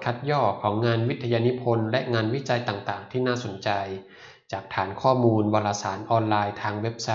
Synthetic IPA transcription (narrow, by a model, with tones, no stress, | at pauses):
kʰa˦˥t̪̚jɔː˥˩kʰːɔː˩˦ŋːŋaː˧nwi˦˥t̪ʰːa˧jaː˧ni˦˥pʰo˧nlɛ˦˥ʔŋaː˧nwi˦˥t͡ɕa˧jt̪aː˨˩ŋt̪aː˨˩ŋt̪ʰiː˥˩naː˥˩so˩˦nt͡ɕa˧j | t͡ɕaː˨˩k̚t̪ʰaː˩˦nkʰɔː˥˩muː˧nbɔː˧laː˧saː˩˦nʔɔː˧nlaː˧jt̪ʰaː˧ŋwe˦˥p̚sa˦˥